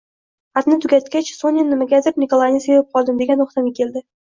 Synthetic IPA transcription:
at̪nɪt̪ʰʊɡʲat̪̚kʲat͡ʃsonɪnːɪmaɡʲazɪpnɪkolˠanijsevap̚qʰɒlˠd̪ɪmd̪eɡʲant̪ʰoχt̪amʲakʲʰe̞ld̪ɪ

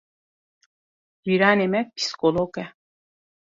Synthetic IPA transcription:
biɾanemɛk̚pʰi̥skolokɛ

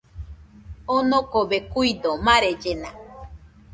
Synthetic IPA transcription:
onõkobekuid̪omãɾed͡ʒena

